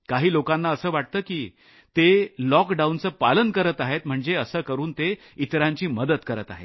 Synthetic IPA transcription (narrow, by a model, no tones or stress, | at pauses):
kaɦiːlokanːaəsəːʋaʈ̚t̪əːkiː | t̪elɔkɖaunt͡səːpalənkəɾət̪aɦet̪m̤əɳd͡zeəsəːkəɾuːnt̪e | it̪ɾaɲt͡ɕiːməd̪ət̪kəɾət̪aɦḛ